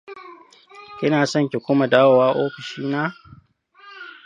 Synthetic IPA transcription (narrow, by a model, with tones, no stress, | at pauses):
kʲɪ˦naː˨sɐ˦ŋkʲe˨kʷʊ˦ma˨daː˦wo˨waː˦ʔoː˦ɸɪ˨ʃiː˦naː˦